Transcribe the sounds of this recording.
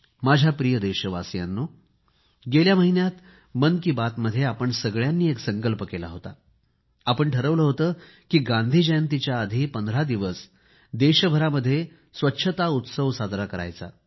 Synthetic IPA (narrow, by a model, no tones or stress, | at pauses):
mad͡ʑʱjapɾijəd̪eɕəʋasjanːo | ɡeljaməɦinjat̪ | mənkiːbat̪məd̪ʱːjeapəɳsəɡɭjanːiːeksə̃ŋkəlpəkela̰ɦot̪a̰ | apəɳʈʰəɾəʋləːɦot̪əː | kiːɡãnd̪ʱiːd͡ʑəjənt̪it͡ɕjaəd̪ʱiːpənd̪ʱɾad̪iʋəs | d̪eɕəbʱəɾaməd̪ʱːje | sʋətːɕʰət̪aut̪səʋsad̪ɾakəɾa̰jt͡sa̰